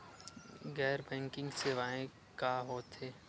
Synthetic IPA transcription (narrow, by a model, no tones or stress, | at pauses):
ɡɛːɾbɛ̃ːŋkɪ̃ŋɡseːʋaːẽ | kaːɦoːt̪ɦeː